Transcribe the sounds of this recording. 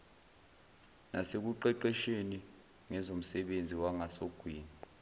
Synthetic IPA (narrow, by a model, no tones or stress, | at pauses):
nasek̬uǃɛǃɛʃeni | ŋɛzom̩sɛɓend͡zʱiwaŋasoɡ̥ʱwiːnǃʱu